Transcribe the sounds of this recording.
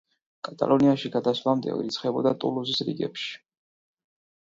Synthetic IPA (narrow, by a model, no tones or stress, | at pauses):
kʼat̪ʼa̰lˠɔniaʃiɡad̪asvamd̪ɛ̰ɔ̰ḭɾit̪sʰχɛbɔd̪at̪ʼṵluzisɾḭɡɛ̰pʃi̥